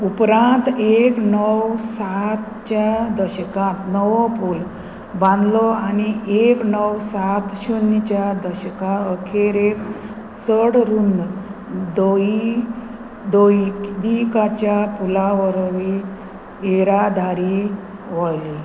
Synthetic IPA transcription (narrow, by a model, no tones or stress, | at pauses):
upɾãnt̪eknəwsat̪ | t͡ɕad̪əɕəkãt̪nəʋɔpul | bãnd̪lɔañieknəwsat̪ɕunːt͡ɕjad̪əɕəkãəkʰeɾek | t͡səɽɾun | d̪oi | d̪oid̪ikat͡ɕjapulaʋəɾʋi | eɾad̪ʱaɾi | ʋɔjli